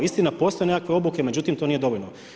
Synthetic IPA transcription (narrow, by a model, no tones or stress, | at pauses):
ist̪inapo̞st̪o̞jnekakʋe̞o̞buke̞me̞d͡ʑut̪imt̪o̞nije̞d̪o̞ʋoʎno